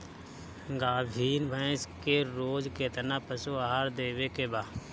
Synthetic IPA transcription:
ɡaːbʱiːnbʱə̃skeɾoːd͡ʒkeːt̪ənapəsuaːɦaɾd̪eːʋekebaː

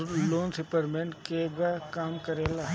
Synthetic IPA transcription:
loːnsɪpəɾmenkeɡakaːmkəɾeːlaː

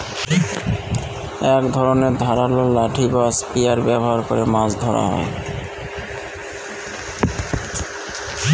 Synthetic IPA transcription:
ɛkd̪ʱɔɾoneɾd̪ʱaɾalolaʈʰibaspijaɾbɛboɦaɾkoɾemasd̪ʱɔɾa̰ɦɔ̰e

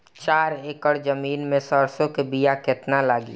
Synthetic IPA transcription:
t͡ʃaːɾeːkəɽd͡ʒəmiːnmẽsəɾsõkebijaket̪nalaːɡḭː

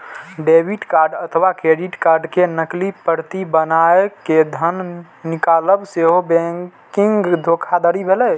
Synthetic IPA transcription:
ɖebʱiʈkaɾɖət̪ʰʋakɾeɖiʈkaɾɖkenəklipəɾt̪ibənaeked̪ʱən | nikaləbseɦobɛ̃kiŋɡd̪ʱokʰad̪əɾibʱelɛ

